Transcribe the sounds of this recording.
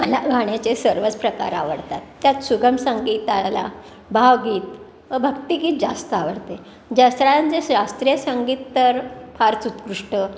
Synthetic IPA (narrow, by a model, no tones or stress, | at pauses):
məlaɡʱaɳjat͡sesəɾʋət͡spɾəka̰ɾa̰ʋəɽt̪at̪ːjat̪suɡʱəmsəŋɡit̪ala̰ | bʱaʋɡiːt̪ | ʋəbʱək̚t̪iɡiːt̪̚d͡zast̪əaʋəɽt̪e | d͡ʑast̪ɾajant͡sesɾast̪ɾijəsəŋɡiːt̪ːəɾfaɾt͡sut̪kɾuʂʈə